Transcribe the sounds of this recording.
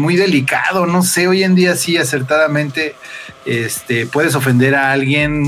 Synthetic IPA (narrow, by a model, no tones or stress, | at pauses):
mujðe̞lika̰ð̞o̞no̞se̞o̞ʝe̞nd̪iasiase̞ɾt̪aðamẽ̞nt̪e̞est̪e̞pwe̞ðe̞s̬o̞fe̞nd̪e̞ɾaalɣje̞n